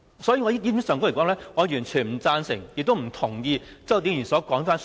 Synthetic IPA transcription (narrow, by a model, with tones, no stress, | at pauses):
sɔː˨˥jiː˨˧ŋɔː˨˧ji˥i˥miː˧˥sœː˨ŋko˧˥lkːɔː˨˥ŋlɛː˥ŋɔː˨˧jyː˨˩nt͡ʃʰyː˨˩nm̩˨˩t͡saː˧nsɪ˨˩ŋjɪ˨k̚t̪o˥wm̩˨˩t̪ʰʊ˨˩ŋjiː˧t͡sɔ˥˨˩t̪iː˨˧˥jyː˨˩nsɔː˨˥kɔː˨˥ŋfaː˥n